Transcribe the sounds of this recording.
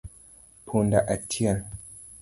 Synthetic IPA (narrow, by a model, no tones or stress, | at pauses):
pʰundaʔatʰian